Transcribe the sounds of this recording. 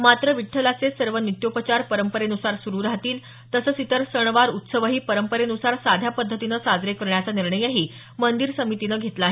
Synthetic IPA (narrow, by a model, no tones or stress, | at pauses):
mat̪ɾəʋiʈʰːəlat͡sesəɾʋənit̪jopət͡ɕaɾpəɾəmpəɾenusaɾsuɾuːɾaɦt̪iːl | t̪əsəːt͡sit̪əɾsəɳ̃ʋaɾut̪səʋəɦiːpəɾəmpəɾenusaɾsad̪ʱjapəd̪ʱːət̪inəːsad͡zɾekəɾɳjat͡saniɾɳəjəɦiː | mənd̪iɾsəmit̪inəɡʱet̪laːɦe